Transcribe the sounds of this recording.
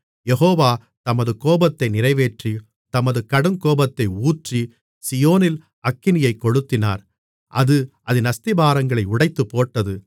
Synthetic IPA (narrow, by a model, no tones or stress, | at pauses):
jɛɦoːʋaː | t̪ɐmɐðɯkoːbɐt̪ːɐɪnɪrɐɪʋeːʈri | t̪ɐmɐðɯkɐɽɯŋkoːbɐt̪ːɐɪuːʈri | sɪjoːnɪl | ɐkːɪnɪjɐɪkːɔɽɯt̪ːɪna̰ːɾ | ʔɐðɯʔɐðɯnɐst̪ɪbaːɾɐŋɡɐɭɐɪʊɽɐɪt̪ːɯpːoːʈːɐðɯ